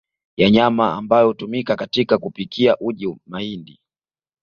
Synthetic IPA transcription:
jaɲamaːmbajɔhutumikakatikakupikʰiaʔuʄimaindi

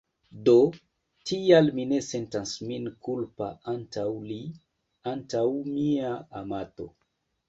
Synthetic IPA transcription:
do̞ | tialmine̞se̞ntansminkulpa̰ʔantʰawli | antawmiaamato̞

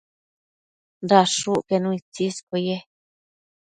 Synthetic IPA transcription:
nd̪aʂuʔkenũĩt͡siskoje

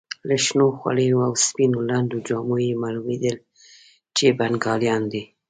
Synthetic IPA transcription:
ləʃnoxwa̰ɽejoawspinoland̪od͡ʒɑmojemɑlumed̪əl | t͡ʃebanɡɑljɑnd̪i

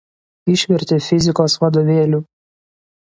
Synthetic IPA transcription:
ɪʃʲʋʲɛɾʲt̪ʲefʲɪzʲɪkoːsʋɐd̪oːʋʲeːlʲuː

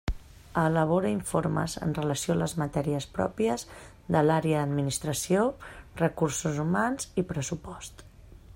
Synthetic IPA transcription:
ələβ̞ɔɾəiɱfoɾmə̰zə̰nrələsioələzmət̪ɛɾiəspɾɔ̰piəz | ðəlaɾeəd̪əd̪minist̪ɾəsiorəkursuzumanz̥ipɾəsupɔst̪

